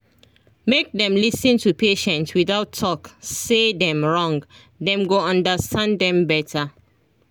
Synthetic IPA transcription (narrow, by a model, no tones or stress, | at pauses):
mek̚dɛ̃mlisə̃ntʰupʰeʃɛ̃ntswiðaʊtʰːɔksedɛ̃mɹɔ̃ŋɡ | dɛ̃mɡoʌ̃ndəstʰãnddɛ̃mbɛtʰə